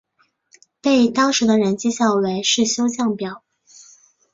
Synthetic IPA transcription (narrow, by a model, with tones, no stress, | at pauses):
pe˥˩ɪt̪ɑ˥ŋʂɻ̩˧˥d̪ə˧ɻə˧˥nt͡ɕi˥ɕjɑ˥˩ʊwe˧˥ɪʂɻ̩˥˩ɕjo˥ʊt͡ɕjɑ˥˩ŋpjɑ˨˩˦ʊ